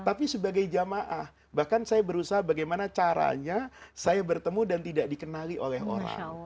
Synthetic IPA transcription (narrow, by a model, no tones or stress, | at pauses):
t̪apisəbaɡajd͡ʒamaʔah | bahkansajabəɾusaɦabaɡajmanat͡ʃaɾa̰ɲasajabərt̪əmudant̪idaʔ̚dikənaliʔolɛɦo̰ɾa̰ŋ